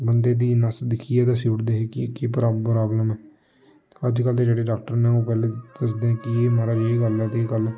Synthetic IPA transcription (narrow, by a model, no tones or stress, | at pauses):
bənd̪eːd̪iːnəsd̪ɪkʰiːɛːd̪aːsiːʈd̪eːɦeːkɪkeːpɾaːɾaːbləmɛː | əd͡ʒkəlt̪eːd͡ʒeːɽeːɖaːk̚ʈəɾnɛ̃ːõːpɛːleːd̪əsd̪eɛ̃ːkɪeːmaːɾaːeːɡəlɛt̪eiːkəlɛ